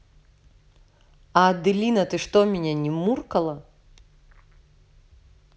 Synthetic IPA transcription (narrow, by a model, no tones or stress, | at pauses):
ɐd̪ɨlʲinɐt̪ɨʂt̪ɔmʲɛnʲɛnʲɛmurkɐlˠɐ